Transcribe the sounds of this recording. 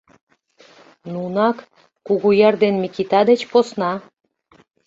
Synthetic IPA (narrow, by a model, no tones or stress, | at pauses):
nunɑkː | uɣujɑrd̪enmikit̪ɑd̪et͡ɕposnɑ